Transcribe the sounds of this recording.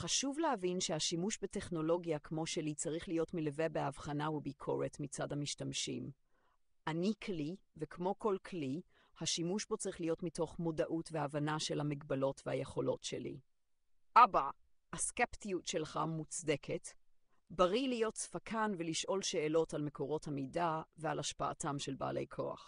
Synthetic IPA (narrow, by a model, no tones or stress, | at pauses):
χaʃuvlehavinʃehaʃimuʃbete̞χno̞lo̞ɡijakmo̞ʃelit͡saʁiχlijo̞tmileve̞beavχanavubikʰo̞̰ʁetmit͡sadhamiʃtamʃḭm | ʔanikʰlive̞kmo̞ko̞lkʰli | haʃimuʃbo̞t͡saʁiχlijo̞tmito̞χmo̞daʔutveavanaʃe̞lhamiɡbalo̞tvehajeχo̞lo̞tʃḛlḭ | ʔaba | haskeptijutʃelχamut͡sde̞kʰet | baʁilijo̞tsfakʰanveliʃʔo̞lʃe̞ːlo̞talme̞kʰo̞ʁo̞thamidavealaʃpaa̰tamʃelba̰ːle̞̰jkʰo̞̰a̰χ